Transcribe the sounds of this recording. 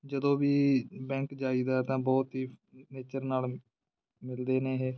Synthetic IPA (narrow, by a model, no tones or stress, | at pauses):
d͡ʒəd̪õːʋiːbɛ̃ːŋkd͡ʒaːiːd̪aːɦɛt̪ãːbɔːt̪ɦiːneːt͡ʃəɾnaːl | mɪld̪eːneːɦeː